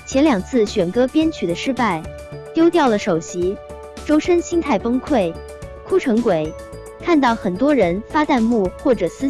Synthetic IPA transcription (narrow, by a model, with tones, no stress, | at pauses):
t͡ɕʰjɛ˧˥nljɑ˨˩ŋt͡sʰɹ̩˥˩ɕɥɛ˨˩nkɤ˥pjɛ˥nt͡ɕʰy˨˩d̪ə˦ʂɻ̩˥pa˥˩ɪ | t̪jo˥ʊt̪jɑ˥˩ʊlə˩ʂo˨˩ʊɕi˧˥ | ʈ͡ʂo˥ʊʂə˥nɕi˥ŋt̪ʰa˥˩ɪfɤ˥ŋkʰwe˥˩ɪ | kʰu˥ʈ͡ʂʰɤ˧˥ŋkwe˨˩˦ɪ | kʰa˥˧nt̪ɑ˥˩ʊxə˨˩nt̪wɔ˥ɻə˧˥nfa˥t̪a˥˧nmu˥˩xwɔ˥˩ʈ͡ʂɤ˨˩sɹ̩˥˩